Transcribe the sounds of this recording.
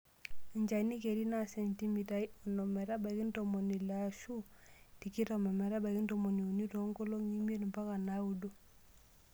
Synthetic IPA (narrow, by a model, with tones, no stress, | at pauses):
i˨ɲd͡ʒa˨ini˦ke˨ɾi˦na˦˨se˨nti˦mi˨ta˨i˦ɔ˨nɔ˨mɛ˨ɾa˦ba˨ki˦nto˨mo˨ni˨la˨ʃu˦ti˨ki˦ta˨ma˨mɛ˨ɾa˦ba˨ki˦nto˨mo˨ni˨u˨ni˦to˨˦ŋɡo˦lo˦ɲi˦mi˦e˦n˨mpa˦ka˨na˨˦u˨do˦